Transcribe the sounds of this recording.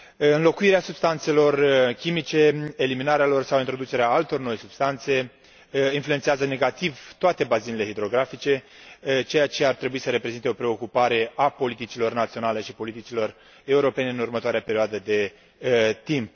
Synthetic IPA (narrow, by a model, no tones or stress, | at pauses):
ɨnlo̞kuiɾeasubst̪ant̪se̞lo̞rkʲimit͡ʃe̞ːliminaɾealo̞rsawint̪ɾo̞d̪ut͡ʃe̞ɾeaalt̪o̞rno̞jsubst̪ant̪se̞ | influentsiazəne̞ɡat̪ivt̪oat̪e̞bazinile̞ɦid̪ɾo̞ɡɾafit͡ʃe̞ | t͡ʃe̞jat͡ʃeart̪ɾe̞buisəɾe̞pɾe̞zint̪eo̞pɾe̞o̞kupaɾe̞ʔapo̞lit̪it͡ʃilo̞rnat̪sionale̞ʃipo̞lit̪it͡ʃilo̞r | e̞uɾo̞pe̞ne̞ɨnurmət̪oaɾeapeɾioad̪əd̪e̞ | t̪imp